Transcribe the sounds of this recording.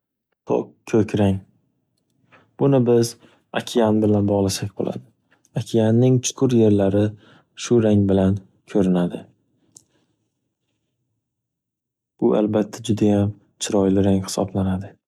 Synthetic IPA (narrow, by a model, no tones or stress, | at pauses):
t̪ʰo̰qkʲʰɵkʲʰɾaŋ | b̥ʊnɪbɪz | a̰kʲʰɪjanbɪlanbɒʁlˠasakʲbo̰lˠʔa̰d̪ɪ | akʲʰɪjanːɪŋt͡ʃʰʊ̥kʰʊɾje̞ɾlaɾɪ | ʃʊɾaŋbɪlan | kʲʰɵɾɪnad̪ɪ | b̥ʊʔa̰lbat̪ʰːad͡ʒʊd̪ajam | t͡ʃʰɪɾɒjlɪɾaŋhɪ̥sɒ̰blanad̪ɪ